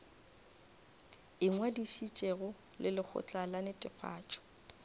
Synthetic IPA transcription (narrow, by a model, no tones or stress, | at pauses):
ɪŋwadiʃit͡ʃʼeɣʊ | lɪlɪk͡xʰʊ̰t͡ɬʼalanɪtʼɪfʰa̰ːt͡ʃʼɔ̥